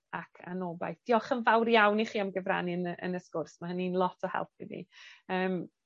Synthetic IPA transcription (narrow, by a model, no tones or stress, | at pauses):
akʰa̰noːba̰jθd̥jɔχənvawrjawniχiːamɡəvra̰ninəʔə̰nəskʊrsmaɦəninlˠɔtʰɔhɛ̰lˠp̚ʰivḭəːm